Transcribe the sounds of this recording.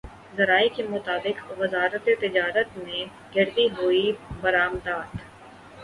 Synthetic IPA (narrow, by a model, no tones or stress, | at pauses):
zɐɾaːikemʊt̪aːbɪqʋɪzaːɾət̪et̪ɪd͡ʒaːɾət̪nẽ | ɡɪɾd̪iɦuːibɐɾaːmd̪aːt̪